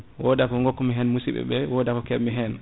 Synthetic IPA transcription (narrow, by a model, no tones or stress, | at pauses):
wɔdakɔŋɡɔkːɔmiɦɛnmusiɓɛ̰ɓɛwɔdakɔkɛmiɦɛn